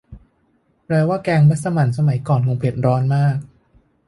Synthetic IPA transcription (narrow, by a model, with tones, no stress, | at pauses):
pɾɛː˧waː˥˩kɛː˧ŋba˦˥t̪̚sa˧ma˩˦nsa˧ma˨˩˦jkɔː˨˩nkʰo˧ŋpʰe˨˩t̪̚ɾɔː˦˥nmaː˥˩k̚